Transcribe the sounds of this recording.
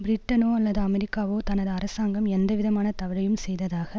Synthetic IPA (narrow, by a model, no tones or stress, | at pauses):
bɾɪʈːɐnoːɐlːɐðɯɐmɛɾɪkːaːʋoːt̪ɐnɐðɯɐɾɐsaːŋɡɐmɛnd̪ɐʋɪðɐmaːnɐt̪ɐʋɪɻɐjɯmsɛjðɐðaːɣɐ